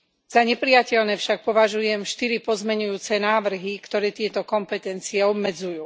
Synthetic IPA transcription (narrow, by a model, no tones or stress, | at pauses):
z̥aɲɛpɾijacɛʎnɛːfʃak̚pɔʋaʒujɛmʃt̪iɾipɔzmɛɲujuːt͡sɛnaːʋr̩ɦikt̪ɔɾɛːt̪ɪɛt̪ɔkɔmpɛt̪ɛnt͡siɛɔbmɛd͡zujuː